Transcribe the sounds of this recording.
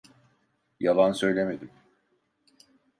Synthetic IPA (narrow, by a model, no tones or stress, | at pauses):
jalˠansø̞jlʲeme̞d̪im